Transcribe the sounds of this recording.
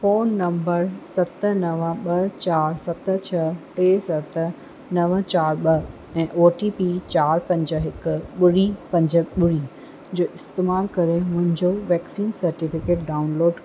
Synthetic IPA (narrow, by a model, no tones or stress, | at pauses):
foːnːɐ̃mbəɾsɐt̪ənɐʋəɓɐt͡ɕaːɾsɐt̪ət͡ɕʰɐʈeːsɐt̪ə̆ | nɐʋt͡ɕaːɾɓɐ | ɛ̃ːʔoːʈipit͡ɕaːɾpɐ̃ɲd͡ʑəɦɪkʊ̆ɓʊɽipɐ̃ɲd͡ʑəɓʊɽi | d͡ʑoːʔɪst̪eːmaːlkɐɾemʊ̃ɦɪ̃ɲd͡ʑoʋɛːksiːnsɐɾʈɪfɪkeːʈ̚ɖaːʊnloːɖ